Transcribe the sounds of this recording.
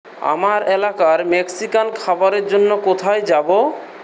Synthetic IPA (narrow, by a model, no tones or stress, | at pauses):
a̰maɾelakaɾmeksikankʰabaɾeɾd͡ʑonːokot̪ʰajd͡ʑabo